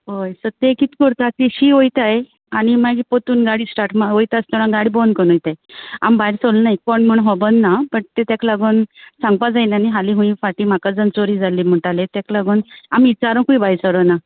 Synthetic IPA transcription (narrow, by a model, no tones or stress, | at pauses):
ɦojsəɾt̪ekit̪ikəɾt̪ak̪iɕiojt̪aj | añimaɡipot̪uːnɡaɽiːsʈaɾʈmaojt̪ast̪ənãɡaɽibonkənujt̪aja̰mbaiɾsolnajkɔɳm̤əɳɦɔbənːapəɳt̪et̪jaklaɡonsãŋɡ̚pad͡zajnaniɦaliɦũĩfaʈim̤akad͡zənt͡soɾiːd͡zalːiːm̤əɳʈalet̪aklaɡonamit͡ɕaɾə̃kuibajsəɾəna